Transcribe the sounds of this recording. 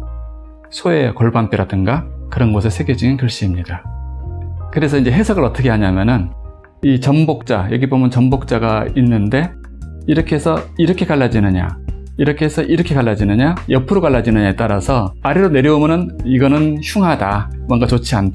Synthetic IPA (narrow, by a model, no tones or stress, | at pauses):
sʰoe̞koɭbamp͈iɾadɯnɡakɯɾʌnɡosʰesʰe̞ɡjed͡ʑuŋinkɯɭɕ͈iːmɲida | kɯɾe̞s̬ʰʌind͡ʑe̞ɦe̞sʰʌɡɯɾʌt͈ʰʌkʰe̞ɦaɲamjʌnɯn | it͡ɕʌnbok̚t͡ɕ͈ajʌɡibomjʌnt͡ɕʌmbok̚t͡ɕ͈aɡainːɯnde̞ | iɾʌkʰeɦesʰʌiɾʌkʰe̞kaɭːad͡ʑinɯɲa̰ | iɾʌkʰe̞ɦesʰʌʔiɾʌkʰekaɭːad͡ʑinɯɲajʌpʰɯɾokaɭːad͡ʑinɯɲaet͈aɾasʰʌaɾiɾone̞ɾjʌomjʌnɯniɡʌnɯnɕʰuŋɦada | mwʌnɡat͡ɕot͡ɕʰian